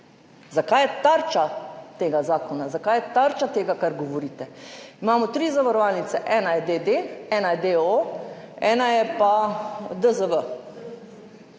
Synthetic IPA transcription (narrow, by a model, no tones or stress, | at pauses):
zakaːjɛt̪aɾt͡ʃat̪eːɡazaːkɔnazakaːjɛt̪aɾt͡ʃat̪eːɡakaɾɡɔʋɔɾiːt̪ɛimaːmɔt̪ɾiːzaʋaɾɔʋaːlnit̪sɛʔɛːnajɛd̪ed̪eːɛːnad̪eo | ɛːnajɛpad̪əzəʋə